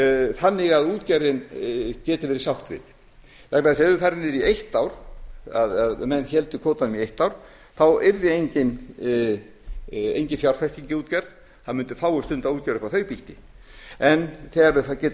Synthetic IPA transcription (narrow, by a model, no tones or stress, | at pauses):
θanːɪɣaðuːt̪cɛɾðɪmcɛːt̪ɪvɛːɾɪ̥sawht̪vɪ̰ð | θak̚maðasɛðʏθɛɾɪnːɪɾiejht̪awɾ̥a̰ðaðmɛnːçɛlt̪ʏkʰoːt̪anmiejht̪awɾ̥ | θawɛɾðɪejɲcɪn | ḛjɲcɪnfjawɾ̥fɛst̪iɲcɪuːt̪cɛɾð | θaðmʏnt̪ʏ̥faːwʏst̪ʏnt̪auːt̪cɛɾʏfawθœːɥpiht̪ɪ | ɛnθɛːɣaɾvɪθacɛːt̪